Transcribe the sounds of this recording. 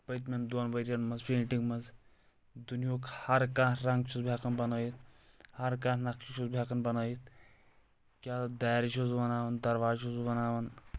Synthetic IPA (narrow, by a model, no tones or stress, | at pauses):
pɐt̪mɐnd̪onʋɐɾʲjɐnmɐzpeːʈiŋɡmɐz | d̪unjoːkhɐɾkãɾɐŋɡt͡ʃʰusbʱʲaːkɐnbɐnaːjit̪ | hɐɾkãːnnɐkʃiʃuzbʱjaːkɐnbɐnaːjit̪ʰ | kʲjaːd̪ajɾʃuzbɐnaːʋɐnd̪ɐɾʋaːuzbɐnaːʋɐn